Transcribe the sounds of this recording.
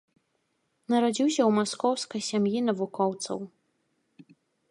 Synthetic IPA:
naɾad͡ʑiwɕaumoskʰowskasʲamjinavukʰʷowt͡sʰo̰w

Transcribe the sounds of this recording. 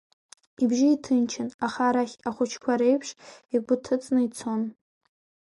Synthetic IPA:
ibʒɪitʰɨnt͡ʃʰɪnaχaɾaχʲaχʷʊt͡ʃʰkʷʰaɾe̞jpʰʂikʷʼʊtʰɨt͡sʼnɨit͡sʰon

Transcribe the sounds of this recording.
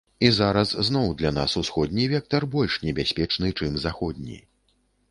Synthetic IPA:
izaɾɐsznɔwd̪lʲan̪asusxɔd̪̚ʲnʲivʲɛk̚t̪ɐrbɔlʲʂnʲɛbʲasʲpʲɛt͡ʂnɨt͡ʂɨmzaxɔd̪̚ʲnʲḭ

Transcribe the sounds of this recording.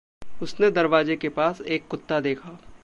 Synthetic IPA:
ʊsned̪ɐɾʋaːzekepaːseːkːʊt̪ːad̪eːkʰaː

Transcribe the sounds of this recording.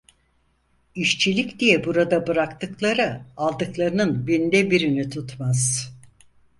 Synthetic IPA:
iʃt͡ʃʰilʲikd̪ijɛbuɾad̪abɯɾakt̪ʰɯklˠaɾɯalˠd̪ɯklˠaɾɯnɯnbind̪ɛbiɾinit̪ʰut̪maz̥

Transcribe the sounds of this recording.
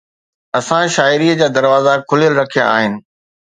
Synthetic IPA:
ɐsãʃaːɪɾiːəd͡ʑaːd̪ɐɾʋaːzakʰʊljəlɾɐkʰija̰a̰ːɦɪnɪ̆

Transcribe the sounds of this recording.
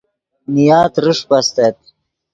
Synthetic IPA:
nijaːt̪ɾɨʂpast̪et̪̚

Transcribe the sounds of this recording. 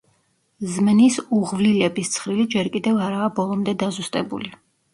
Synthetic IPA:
zmnisuʁvlilɛbist̪sʰχɾilid͡ʒɛɾkʼid̪ɛvaɾaːbɔlˠɔmd̪ɛd̪azust̪ʼɛbṵli

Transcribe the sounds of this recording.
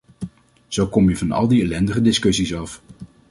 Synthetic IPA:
z̥owkɔmjəvɑnɑ̰lˠdiɛlɛndəχədɪskɵsisɑf

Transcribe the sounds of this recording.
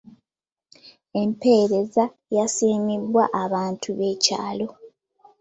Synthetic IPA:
e̞mpe̞ːɾe̞za | jasiːmibwaʔaβaːntʰuβe̞ːca̰ːlo̞

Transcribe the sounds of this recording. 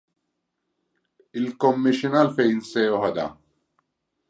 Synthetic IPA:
ɪlkɔmːɪʃinɐlfɛjnsɛːɔɦɐd̪ɐ̰

